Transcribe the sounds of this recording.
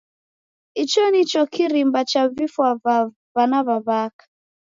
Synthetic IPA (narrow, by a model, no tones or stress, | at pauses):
it͡ʃɔnit͡ʃɔkiɾimbat͡ʃavifwa | vanaβaβakḁ